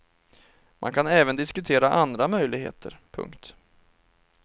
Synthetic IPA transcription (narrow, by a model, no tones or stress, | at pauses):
mʔa̰nkʰanɛːvənd̪ɪskɵt̪ʰeːɾaʔand̪ɾamœjlɪɡɦḛːt̪ʰə̰ɾpʰɵ̰ŋkt̪